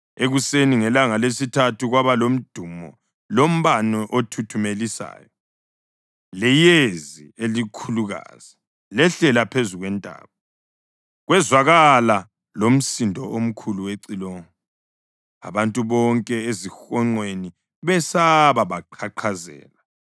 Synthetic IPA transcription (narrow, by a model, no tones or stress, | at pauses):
eɣuseniŋɛlaŋalesitʰatuɣwaβalom̩d̥ʱuːmɔ̰ | lom̩βanɔʔotʰutʰumelisa̰ːjɔ | lɛjezielikʰuluɣa̰ːz̥i | lɛɬɛlapʰezuɣwɛntʼa̰ːβɔ | ɣwɛzwaɣala | lom̩sindʱɔʔom̩kʰuluweǀiloːŋɔ | a̰βantʼuβɔŋkʼɛezixɔŋ͡ǃweni | βɛsaβaβaǃʰaǃʰazɛ̰ːla